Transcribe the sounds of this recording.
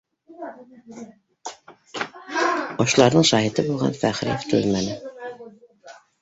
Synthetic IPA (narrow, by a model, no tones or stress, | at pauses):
oʃlˠɑɾnɤɴʃɑɦit̪ɤbulˠʁɑ̰nfæχɾɪ̰jeft̪ʰulmænɘ